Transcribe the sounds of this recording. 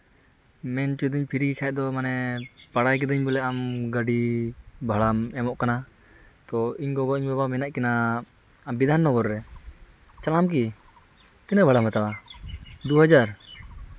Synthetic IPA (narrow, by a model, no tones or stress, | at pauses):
mɛnt͡ʃud̪iɲpʰiɾikikʰaj̚d̪ɔmanɛpaɽajk̬ɛd̪əɲbɛlɛamɡaɖibʱaɭamɛmɔʔkana | t̪ɔiɲkɔɡɔiɲbabamɛnaʔkɛnaː | mbid̪ʱanːɔɡɔɾɾɛ | t͡ʃalamk̬i | t̪ɛnəbʱaɽamat̪awa | d̪uɦad͡ʒaɾ